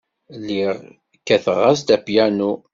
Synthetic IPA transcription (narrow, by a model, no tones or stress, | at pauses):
lːiʁ | kːæθəʁːazd̪æpjænu